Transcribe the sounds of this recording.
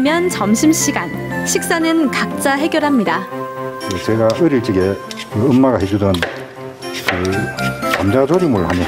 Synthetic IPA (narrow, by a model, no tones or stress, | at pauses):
mjʌnt͡ɕʌmɕʰimɕʰiɡanɕʰik̚s͈anɯnkak̚t͡ɕ͈aɦe̞ɡjʌɾɦamɲidakɯt͡ɕe̞ɡaɯɾiɭt͡ɕ͈iɡe | kɯɯmːaɡaɦed͡ʑudɯn | kɯ | kamd͡ʑad͡ʑʰoɾimuɭhaɲe